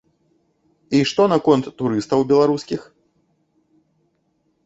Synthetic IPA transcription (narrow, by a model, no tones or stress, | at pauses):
iʂt̪ɔnɐkɔnt̪ːuɾɨst̪ɐwbʲɛlˠaɾuskʲix